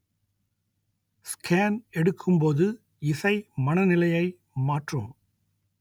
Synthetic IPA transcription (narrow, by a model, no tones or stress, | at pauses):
skʰaːnɛɽɯkʰːɯmpoːðɯ | ɪsɐɪmɐnɐnɪlɐjɐɪ | maːʈro̰ːm